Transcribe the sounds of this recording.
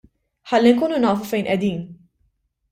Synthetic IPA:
ħɐlːiŋkuːnunɐːfufɛjnʔɛd̪iːn

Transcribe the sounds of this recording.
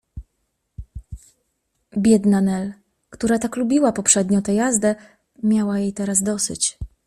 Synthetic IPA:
bʲjɛd̪nanɛl | kt̪uɾat̪aklubʲiwapɔpʂɛd̪ɲɔ̃t̪ɛjazd̪ɛ | mʲjawajejt̪ɛɾasd̪ɔsɘ̰t͡ɕ

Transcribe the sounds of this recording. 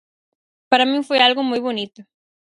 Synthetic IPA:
paɾamĩŋfojalɣʊmojβonit̪ʊ

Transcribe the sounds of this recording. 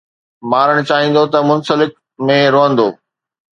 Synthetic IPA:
maːɾəɽ̃t͡ɕaːɦĩːn̆d̪ot̪ɐmʊnsəlɪk̚ | mẽɾoɦə̃nd̪oː

